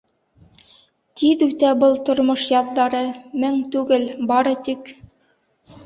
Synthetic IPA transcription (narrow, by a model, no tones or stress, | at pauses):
t̪iðʉt̪æbɤlˠt̪ŏɾmoʃjɑðːɑɾɤmɘŋt̪ʉɡɘlbɑɾɤ̆t̪ik